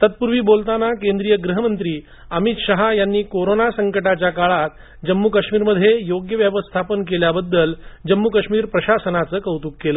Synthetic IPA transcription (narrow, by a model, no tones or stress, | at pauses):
t̪ət̪̚puɾʋiːbolt̪anakend̪ɾijəɡɾuɦəmənt̪ɾiː | əmit̪ɕəɦajanːiːkoɾonasəŋkəʈat͡ɕjakaɭat̪̚ | d͡ʑəmːukəɕmiːɾməd̪ʱːjejoɡjəʋjəʋəst̪ʰapənkeljabəd̪ːəld͡ʑəmːukəʂmiːɾpɾəɕasənat͡səːkəwt̪uːkːeləː